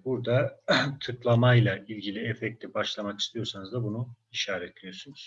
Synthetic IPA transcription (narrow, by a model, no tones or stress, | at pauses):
buɾd̪at̪ʰɯklˠamajlˠaʔilʲɟilʲiɛfɛc̚t̪ʲibaʃlˠamaki̥st̪ʰijo̞ɾsanɯzd̪abunu | iʃaːɾɛt̪ʰlʲejoɾsunuz̥